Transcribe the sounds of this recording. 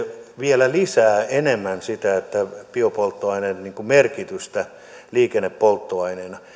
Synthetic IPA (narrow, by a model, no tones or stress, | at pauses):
ʋielælisæːenemːænsit̪æet̪ːæpiopolt̪ːoɑinenniːŋkumerkit̪yst̪æ | liːkenːeppolt̪ːoɑinenɑ